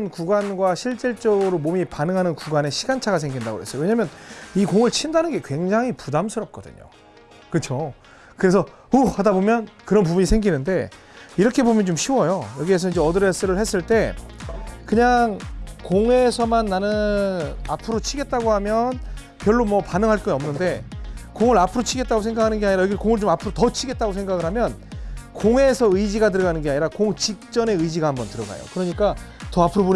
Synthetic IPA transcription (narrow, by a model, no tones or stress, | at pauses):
nkuɡanɡwaɕʰiɭt͡ɕ͈iɭt͡ɕ͈ʌɡɯɾomomipanɯŋɦanɯnkuɡane̞ɕʰiɡant͡ɕʰaɡasʰeŋɡinda̰ɡo̰he̞s͈ʌjoweɲamjʌnikoŋɯɭt͡ɕʰindanɯnɡe̞kwe̞ŋd͡ʑaŋipudamsʰɯɾʌp̚k͈ʌdɯ̰ɲo̰ | kɯt͡ɕʰo | kɯɾe̞s̬ʰʌ | uhadabomjʌnkɯɾʌnp̬ubuɲisʰe̞ŋɡinɯnde̞̰ | iɾʌkʰe̞bomjʌnt͡ɕomɕʰiwʌjojʌɡies̬ʰʌind͡ʑe̞ʌdɯɾes͈ɯɾɯɭhe̞s͈ɯɭt͈e̞ | kɯɲaŋkoŋe̞sʰʌmanːanɯnapʰɯɾot͡ɕʰiɡe̞t̚t͈aɡohamjʌn | pjʌɭːomwʌpanɯŋɦaɭk͈ʌiʌmnɯnde̞koŋɯɾapʰɯɾot͡ɕʰiɡe̞t̚t͈aɡos̬ʰe̞ŋɡakʰanɯnɡeaɲiɾajʌɡikoŋɯɭt͡ɕomapʰɯɾotʌt͡ɕʰiɡe̞t̚t͈aɡosʰe̞ŋɡaɡɯɭɦamjʌnkoŋe̞sʰʌɯid͡ʑiɡatɯɾɡanɯnɡe̞aɲiɾakoŋt͡ɕik̚t͡ɕ͈ʌne̞ɯjd͡ʑiɡahambʌntɯɾʌɡa̰jo̰kɯɾʌɲik͈atʌapʰɯɾobon